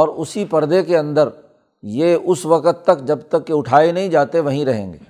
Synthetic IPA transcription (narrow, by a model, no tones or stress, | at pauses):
ɔːɾʊsipɐɾd̪ekeɐ̃nd̪əɾ | jeːʊsʋɐkət̪ːɐkd͡ʒɐbt̪ɐkːeʊʈʰaːenɐɦĩd͡ʒaːt̪eʋɐɦĩɾɐɦḛ̃ːŋɡḛː